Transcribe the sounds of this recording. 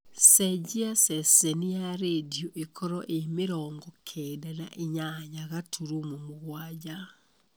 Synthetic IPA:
sɛd͡ʑiasɛsɛnijaɾedioʔekʰɔɾɔʔemeɾɔːŋɡɔkʰɛːdɛna̰ʔeɲaɲaɣatʰuɾomomoɣwad͡ʑa

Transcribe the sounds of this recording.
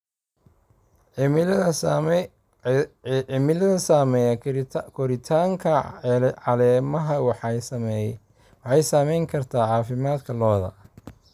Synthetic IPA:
ɪmɪlɐðɐsaːmɛjɐkʰɔɾɪt̪ʰaːŋkʰɐʕɑlɛːmɐɦɐwɑħɑsɐmɛ | wɑħɑjsaːmɛjŋkʰɐrt̪ʰaːʕɑːfɪmaːd̪kʰɐlɔːðɐ̰

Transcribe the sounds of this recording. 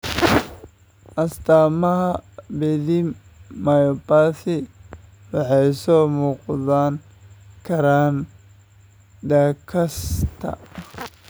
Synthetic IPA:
ʔɐst̪aːmɐɦɐbɛðɪm | mɐjɔpaːθɪ | wɑħɑjsɔːmuːqðaːn | kʰɐɾaːn | d̪aːkʰɐst̪ʰɐ̰

